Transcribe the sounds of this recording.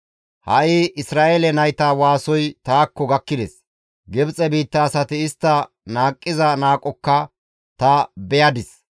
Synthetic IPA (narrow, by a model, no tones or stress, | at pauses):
hɐʔɪɪsɾaːʔeːlɛnɐjt̪awaːsɔjt̪aːkːɔɡɐkːɪd̪ɛs | ɡɛbt͡sʼɛbiːt̪ːɐːsɐt̪ɪɪst̪ːɐ | naːkʼːɪzɐnaːkʼɔkːɐ | t̪ɐbɛjɐd̪ɪs